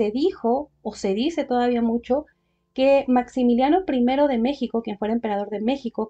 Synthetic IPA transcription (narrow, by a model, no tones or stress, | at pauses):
e̞ðixo̞ːse̞ðise̞t̪o̞ðaβiamut͡ʃo̞ | ke̞maksimiljano̞pɾime̞ɾo̞ðe̞me̞xiko̞kjenfwe̞ɾaempe̞ɾað̞o̞ɾðe̞me̞xiko̞